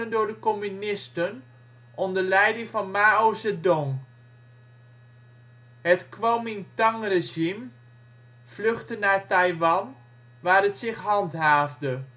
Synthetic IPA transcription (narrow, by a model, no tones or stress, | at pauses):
əndʊːdəkɔmynɪstən | ʔɔndəlɛjdɪŋvɑnmaːosədɔŋ | ɦətkʋomɪŋtaŋreʒim | fløχtənaːɹtajʋɑn | ʋaːrətsɪχɦɑntɦaːvdə